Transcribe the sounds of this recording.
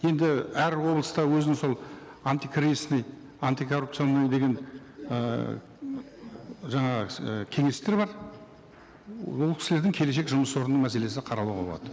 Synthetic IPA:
je̞nd̪ɪæɾwo̞blˠəst̪ɑwɵzɪnɪŋso̞lˠ | ant̪ikʰrisnəj | ant̪ijkʰo̞rːup̚t̪sɨionːəjd̪e̞ɡʲe̞n | ə | ʒɑɴɑʁəəkʲʰe̞ŋe̞st̪e̞ɾbɑɾ | wolˠkʰʲɪ̥sɪleɾd̪ɪŋkʲʰe̞le̞ʃ̬e̞kʒʊməswo̞ɾənəɴmæse̞le̞sɪqʰɑɾɑlˠuʁɑbo̞lˠɑ̰d̪̥ə

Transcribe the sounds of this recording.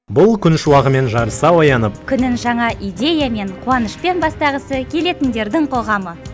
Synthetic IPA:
bʊlˠkʲʰʏnʃɪwɑʁəme̞nʒɑɾəsɑwɑjɑnəp̚kʲʰʏnɪnʒɑɴɑʔijd̪ʲe̞jame̞ɴqʰuwɑnəʃpe̞nbɑst̪ɑʁəsəkʲʰe̞le̞t̪ɪnd̪e̞ɾd̪ɪŋqʰo̞ʁɑmə

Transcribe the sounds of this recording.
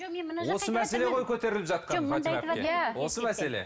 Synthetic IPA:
wo̞səmæse̞le̞ʁo̞jkʲʰɵt̪e̞ɾɪlɪpʒɑt̪̚qʰɑod̪̰wo̞səmæse̞lḛ

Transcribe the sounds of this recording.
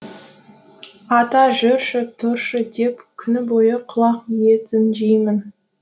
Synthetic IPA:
ɑt̪ɑʒʏɾʃɪt̪ʰʊɾʃɪd̪epkʲʰʏnɪbojəqʰʊlˠɑqjet̪ɪnʒijmɪn

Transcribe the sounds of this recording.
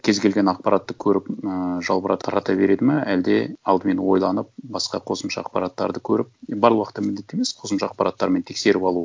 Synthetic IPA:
kʲʰe̞zɡʲe̞lɡʲe̞nɑq̚pɑɾɑt̪ːəkʲʰɵɾɪpəʒɑlˠbəɾɑt̪ʰɑɾɑt̪ɑbe̞ɾe̞d̪ɪmɑæld̪e̞ɑlˠd̪əme̞nwo̞jlˠɑnəp̚bɑsqɑ̰qʰo̞səmʃɑ̰ɑ̰qpɑɾɑt̪ːɑ̰ɾd̪əkʲʰɵɾɪpbɑɾlˠwɑqət̪ːɑmɪld̪e̞t̪ːe̞me̞sqʰo̞səmʃɑɑq̚pɑɾɑt̪ːɑɾment̪ʰe̞kse̞ɾɪpɑlˠu

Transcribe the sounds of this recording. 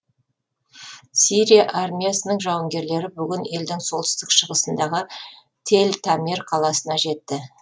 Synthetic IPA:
siɾʲijaʔarmʲijasənəɴʒɑwəŋɡʲe̞ɾle̞ɾɪbʏɡʲɪne̞ld̪ɪŋso̞lˠt̪ɪ̥st̪ɪkʃəʁəsənd̪ɑʁə | t̪ʰe̞lt̪ʰamʲerqʰɑlˠɑsənɑʒe̞t̪ːɪ

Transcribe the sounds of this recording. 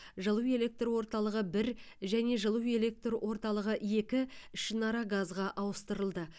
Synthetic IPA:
ʒəlˠəwe̞lʲe̞k̚t̪rwo̞ɾt̪ɑlˠəʁəbɪɾʒæne̞ʒəlˠəwe̞le̞k̚t̪rwʔo̞ɾt̪ɑlˠəʁəe̞kʲɪʃənɑɾɑɡazʁɑʔɑwəst̪əɾəlˠd̪ə

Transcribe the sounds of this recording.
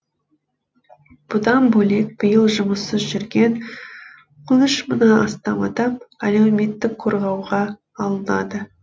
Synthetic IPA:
b̥ʊd̪ɑnbɵle̞k̚b̥əjəlˠʒʊməsəzʒʏɾɡʲe̞n | qʰʊnəʃmʊnɑɑst̪ɑmɑ̰d̪ɑmælewme̞t̪ːɪkqʰoɾʁɑwʁɑː | lˠənɑ̰d̪ə

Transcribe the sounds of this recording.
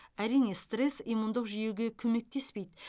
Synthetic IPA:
æɾijne̞st̪re̞sijmund̪əqʒijewɡʲe̞kʲʰɵme̞k̚t̪e̞spe̞jd̪ɪ

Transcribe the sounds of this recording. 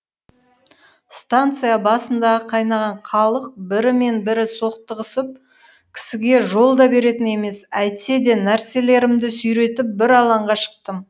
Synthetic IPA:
st̪ant̪sɨjabɑsənd̪ɑʁəqʰɑjnɑʁɑɴqʰɑlˠəq̚bɪɾɪme̞nbɪɾɪso̞qt̪əʁəsəp̚ | kʲʰɪ̥sɪɡʲe̞ʒo̞lˠd̪ɑbe̞ɾe̞t̪ɪne̞me̞sæjt̪se̞d̪e̞næɾse̞le̞ɾɪmd̪ɪsʏjɾe̞t̪ɪp̚bɪɾɑlˠɑɴʁɑʃə̥q̚t̪əm

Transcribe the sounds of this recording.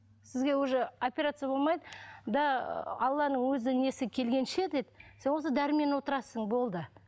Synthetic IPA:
sɪzɡʲe̞wɵʒeopʲeɾat̪sɨjabo̞lˠmɑjd̪əd̪ɑɑlˠːɑnəɴwɵzɪne̞sɪkʲʰe̞lɡʲe̞nʃe̞d̪ed̪ɪse̞nos̬əd̪æɾɪme̞nwo̞t̪əɾɑsəɴbo̞lˠd̪ə

